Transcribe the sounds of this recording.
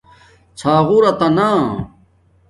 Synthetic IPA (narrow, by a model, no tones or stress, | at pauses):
t͡sʰaːɣuɾɐt̪ɐnaː